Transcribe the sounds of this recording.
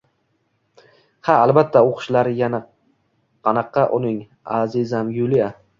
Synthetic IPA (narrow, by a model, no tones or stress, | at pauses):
haalbat̪ʰːaoqʰʊ̥ʃlaɾɪjana | qʰɑnɑqːɑʔʊnɪŋ | azɪzamjʊlija